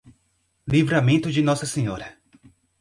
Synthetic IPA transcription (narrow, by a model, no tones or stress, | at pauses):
livɾamẽnt̪ʊd͡ʒɪnɔsɐsẽɲɔɾɐ